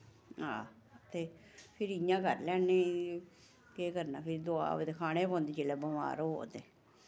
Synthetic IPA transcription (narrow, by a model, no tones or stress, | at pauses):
ɦã̰ː | t̪eː | pʰɪɾɪjãːkəɾlɛːneː | keːkəɾna̰ːpʰɪɾd̪oa̰ːʋt̪ekʰaːɽ̃eːpɔ̃ːnd̪eːt͡ʃeːlɛːbəma̰ːɾoɦo̰ːt̪eː